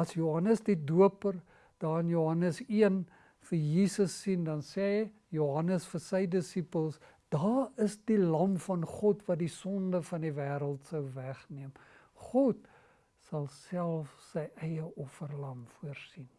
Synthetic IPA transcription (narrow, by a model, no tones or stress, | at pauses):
ɐsjuɦɐnəsdiduəpər | d̥ɑːənjuɦɐnəsiən | fəjiːsəsːindɐnsɛː | juɦɐnəsfərsəjdəsipəlˠs | d̥ɑːəsdilɐmfɐnχɔtvɐt̚disɔndəfɐnivæːɾəlˠtsəwvæχniəm | χɔt | sɐlˠsælˠfsəjʔɛjəʔɔfərlɐmfuərsin